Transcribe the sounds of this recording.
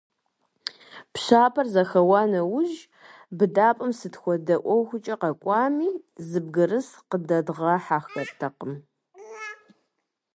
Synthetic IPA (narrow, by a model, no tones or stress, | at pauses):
pɕaːpʰɐrzɐxɐwɑːnɐwʊʒ | bɨdaːpʼɐmsɨtxʷɔdɐʔʷɔwxʷʊt͡ʃʼɐqɐkʷʼɑːmiːzɨbɡɨrɨsqədɐdʁɐħaːxɐrtʰɐqəm